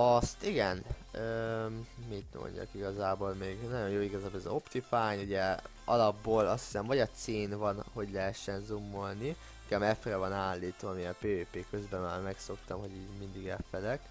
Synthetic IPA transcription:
ɒst̪iɡɛn | øːmit̪mo̰ɲɟɒ̰kiɡɒzaːbo̞ːlmeːɡnɒjo̞njoːiɡɒzaːbolɛzo̞pt̪ifaːɲuɟɛ | ɒlɒbːoːlɒ̰st̪hi̥sɛmvɒɟɒt̪seːnvɒnho̞ɟlɛɦɛʃːɛnzumːo̞lni | ŋkamɛfrɛvɒnaːlːiːt̪ʋɒːmiɛpeːøːpeːkø̞zbɛma̰ːrmɛkso̞kt̪ɒmɦo̞ɟiːɟmind̪iɡɛfɛlɛk

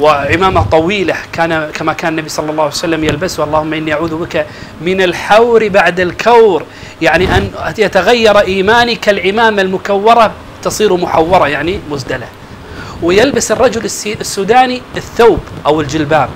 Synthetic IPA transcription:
wɪʕɪmaːmat̪ˤɑwiːlakʰaːnakamakaːnnːabisˤɑlːɑlːɑːhajsalːamjalbasʔɑlˤːɑːhʊmːaʔɪnːiʔaʕuːðbɪkamɪnalħawɾbaʕd̪alkʰawɾ | jaʕniʔanjat̪aɣajːɑɾˤʔiːmaːnikalʕɪmaːmalmʊkawːɑɾˤɑ | t̪ɑsˤiːɾmʊħawːɑɾˤɑjaʕnimʊsd̪ala | wɪjalbasɨrˤːɑd͡ʒʊlɪssːuːd̪aːniɪθːawbʔawɪld͡ʒɪlbaːm

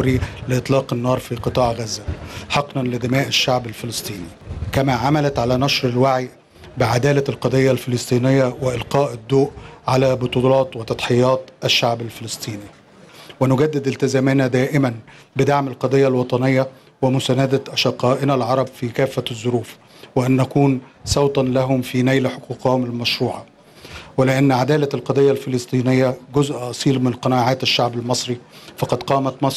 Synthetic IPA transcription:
ɾilɪʔɨt̪ˤlɑːqɪnːɑːɾˤfiːqɨt̪ˤɑːʕɣæzːæħɑqnɑnlɪd̪ɪmæːʔɪʃːaʕbælfɪlɑsˤt̪ˤiːnikæmæːʕamælæt̪ʕalæːnɑʃɾɪlwaʕij | bɪʕad̪æːlælqɑd̪ˤejːalfɪlɨsˤt̪ˤiːnɪjːæweʔɪlqɑːʔɪd̪ːoːʔʕalæːbot̪ˤulɑːt̪wet̪ɑd̪ˤħejɑːt̪ˤʔæʃːaʕbælfelɨsˤt̪ˤiːni | wenʊɡæd̪ːɪd̪ɪlt̪ɪzæːmɪnæd̪æːʔɪmæn | bɪd̪aʕmɪlqɑd̪ˤejːalwɑt̪ˤɑnɪjːa | wɪmʊsæːnad̪æʔɑʃɑqːɑːʔɪnælʕɑɾˤɑbfiːkæːfːæzˤːʊɾuːf | wɪʔænːækuːnsˤɑwt̪ˤɑnlæɦʊmfiːnæjlaħoquːqɑhʊmɪlmæʃɾuːʕa | wɪlɪʔanːʕad̪æːlælqɑd̪ˤejːalfɪlɨsˤt̪ˤiːnɪjːæɡʊzʔɑsˤiːlmɪnqɑnaːʕaːt̪æʃːaʕbælmɑsˤɾifɑqɑd̪qɑːmæt̪mɑsˤ

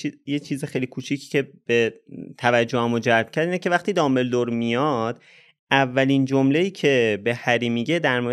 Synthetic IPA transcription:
ijet͡ʃʰiːzexejlikʰuːt͡ʃʰicʰce̞b̥e̞t̪ʰævæd͡ʒːohæmod͡ʒælb̥cʰæɾd̪inecʰe̞væχt̪iːd̪ɒːmeld̪oɾmijɒd̪̥ | ʔævːæliːnd͡ʒomleiːcʰe̞be̞hæɾiːmiːɟe̞d̪æɾmoɾ

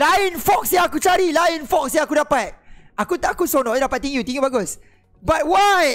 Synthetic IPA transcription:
lainfɔk̚saakut͡ʃaɾilaɪnfɔk̚saakudapat̪̚akut̪ʔakusonɔʔjdapat̪̚t̪ĩŋjut̪ĩŋubaɡʊs | bat̚waj

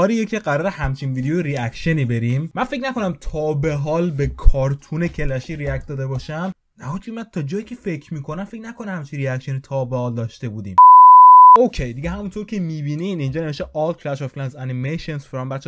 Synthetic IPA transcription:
ɒːɾijecʰeɢæɾɒːɾehæmt͡ʃʰinviːd̪ejojeɾiækʃeniːbe̞ɾimmænfe̞kcnæko̞næmt̪ʰɒːbe̞ɦɒːlbekʰɒːɾt̪ʰune̞cʰe̞læʃiːɾiæk̚t̪̚d̪ɒːd̪e̞bɒʃæm | næhokʰumːæd̪̚t̪ʰɒd͡ʒɒːjicʰʲe̞fe̞cʲʰmiːkʰo̞næmfe̞kcnækʰonæhæmt͡ʃʰinriækʃe̞nit̪ʰɒːbe̞hɒːld̪ɒʃt̪e̞buːd̪ḭːm | okʲʰe̞jd̪iɟeɦæmunt̪ʰo̞ɾcʰemiːbininind͡ʒɒːne̞veʃt̪eʔɒlkʰlæʃoflænzænimeʃensfeɾɒmbæt̪t͡ʃʰː

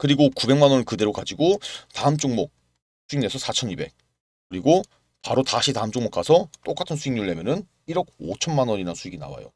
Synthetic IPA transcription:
kɯɾiɡokube̞ŋmanʌnɯɭkɯde̞ɾokad͡ʑiɡotaɯmt͡ɕ͈uŋmʌk̚ | sʰuiŋne̞sʰʌsʰat͡ɕʰʌnibe̞̰k̚ | kɯɾiɡo | paɾotaɕʰitaɯmt͡ɕ͈oŋmokʰasʰʌt͈ok͈atʰɯnsʰuiŋɲuɾɯɭːe̞mjʌnɯn | iɾʌk̚o̰t͡ɕʰʌnmanʌɲinasʰuiɡina̰wa̰jo̰

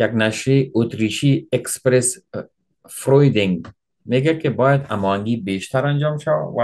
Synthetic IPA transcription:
jaɡnaʃɾeot̪ɾiʃiekspɾes | fɾojd̪ɪŋɡ | meɡakebɔjad̪a̰mɔhaŋɡibeʃt̪aɾand͡ʒɔːmʃawa̰wa

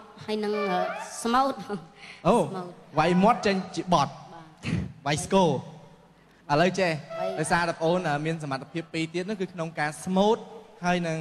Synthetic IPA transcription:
haəjnɨŋʔəːsmoːt̪̚ʔoːt̚ʋajmŏət̪̚t͡ɕəɲt͡ɕiəɓɑt̪̚ː | ʋajskoː | ʔʔələwt͡ɕehaɔjsaːt̪apəʔoːnʔəːmiəns̬amat̪ʰːḁpʰiəpːiːt̪iət̪̚nʊ̆ŋkɨːkʰnoŋkaːsmoːt̪̚haəjnɨŋ

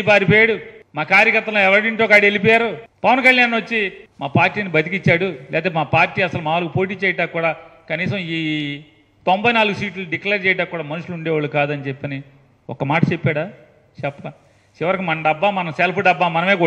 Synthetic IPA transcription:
paːɾipɔjaːɽumaːkaːɾjɐkɐɾt̪ːɐloɛʋɐɾɐɽiɳʈoːkaːɽielip̬ɔːjaːɾupɐʋɐnkɐljaːnʋɐt͡ʃːimaːpaːɾʈːiːnibɐt̪ikit͡ʃːaːɽulʔɛ̰ːt̪ɐmaːpaːɾʈiːɐsɐlumaːʋɐlɐkupo̞ːʈiːt͡ʃɛːjɐʈaːkuːɽaːkɐniːsɐmiː | t̪ombɐjnaːluɡusiːʈlɐlɖikleɾt͡ʃɛːjɐʈaːkuːɽaːmɐnuʂuluɳɖɛːʋaːɭːukaːd̪ɐnit͡ʃepːɐni | ɔ̰kːɐmaːʈɐt͡ʃepːaːɽaː | t͡ʃɛpːɐɐ | t͡ʃiʋɐɾɐkimɐnɐmɖɐbːaːmɐnɐmselpʰuɖɐbːaːmɐnɐmeːku

